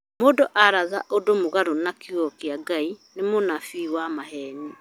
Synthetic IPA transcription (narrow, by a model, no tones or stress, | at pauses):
moːdoʔaɾaðaʔodomoɣaɾonakjɔkeaɡainemonafiwamaɦɛni